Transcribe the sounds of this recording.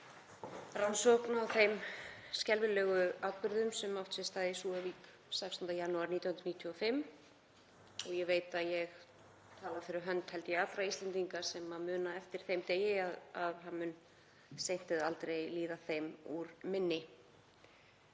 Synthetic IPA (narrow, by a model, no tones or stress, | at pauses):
ransɔhknawθejmscɛlvɪlɛːɣʏawt̪̚pʏɾðʏmsɛmawft̪sɪst̪aːðɪsuːaviːk | sɛkst̪ʏnt̪ajanːuaɾniːt̪jawhnɾniːt̪ʰjɔfɪmː | ɔɣjɛveːjt̪aðjɛɣ | t̪ʰaːlaðɪfɪɾɪɾɦœnt̪hɛlt̪jɛafɾaist̪lɛnt̪iŋkasɛmaðmʏːnaɛft̪ɪɾ̥θejmt̪eːjɪaðaðɦanmʏn | sejn̥t̪ɪðalt̪ɾejliːðaθejmuɾmɪnːɪ